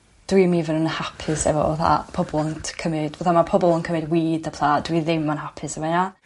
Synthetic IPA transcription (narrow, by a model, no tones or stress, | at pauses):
d̥wimivənənəhapʰɪsɛ̰vɔ̰o̰θa̰pʰɔbɔlˠɔntʰkʰəmɪdvoθamapʰɔbɔlˠənkʰəmɛdwiːdəpʰlˠaːd̥wiðɪmːanɦapʰɪsɛvɔna